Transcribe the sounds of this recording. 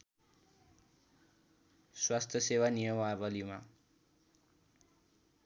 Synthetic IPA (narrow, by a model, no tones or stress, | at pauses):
swast̪ʰjʌsewanijʌmabʌlima